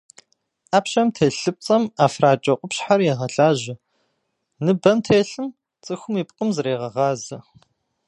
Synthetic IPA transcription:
ʔaːpɕɐmtʰeːɬɨp̚t͡sʼɐmaːfraːt͡ʃʼɐqʷʼʊpɕħarjɛʁɐɬaːʑɪ | nɨbɐmtʰeːɬɨm | t͡sʼɨxʷʊmiːpqʼəmzɨɾeːʁɐʁɑːzɨ

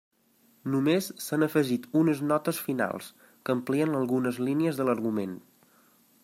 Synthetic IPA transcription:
numesːanəfəʒit̪unəznɔt̪əsfina̰lˠs | kəːmpliənəlˠɣunəzliniəzðələɾɣumen

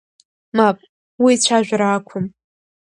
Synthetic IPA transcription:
mapʼ | wit͡ɕʷʰaʒᶣʷaɾaːkʷʰʊm

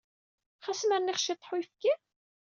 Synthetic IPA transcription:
χæsmæɾniχʃit̪ˤːħwjfki

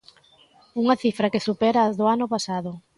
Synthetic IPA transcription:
uŋɐθifɾɐkesupɛɾaːzðoanʊpasaðʊ

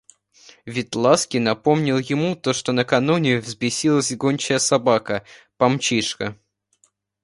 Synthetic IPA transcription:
vʲɪt̪lˠaskʲɪnɐpo̞mnʲɪlˠjɪmut̪o̞ʂt̪o̞nəkɐnunʲɪvzbʲɪsʲilˠəsʲɡonʲt͡ɕɪjəsɐbakəpɐmt͡ɕiʂkə

